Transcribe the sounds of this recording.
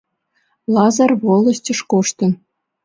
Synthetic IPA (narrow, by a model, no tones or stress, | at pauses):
lˠɑzɑrβolˠɤ̆sʲtʲɤ̆ʂkoʂt̪ɤ̆n